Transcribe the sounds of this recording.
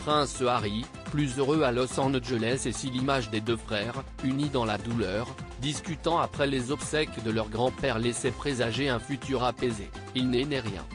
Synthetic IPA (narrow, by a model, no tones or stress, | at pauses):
pχɛ̃saʁi | plyzøʁøalɔsɑ̃ʁnʒəlɛsesilimaʒd̪ed̪øfχɛʁ | ynid̪ɑ̃lad̪ulœʁd̪iskʲyt̪ɑ̃apχɛlezɔbsɛkd̪əlœʁɡʁɑ̃pɛʁlɛsɛpχezaʒeɛ̃fyt̪yʁapeze | ilnenɛʁjɛ̰̃